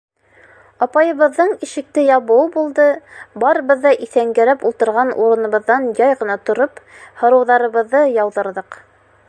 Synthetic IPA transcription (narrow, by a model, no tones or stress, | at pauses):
ɑpɑjɤ̆βɤ̆ðːɤɴiʃɘ̆k̚t̪ɘjɑβɤwbulˠd̪ɤbɑɾɤ̆βɤ̆ðːɑʔiθæŋɡæɾæpulˠt̪ɤ̆ɾʁɑnṵɾɤ̆nɤ̆βɤ̆ðːɑnjɑjʁɤ̆nɑt̪ŏɾophŏɾɤ̆wðɑɾɤ̆βɤ̆ðːɤjɑwðɤ̆ɾðɤq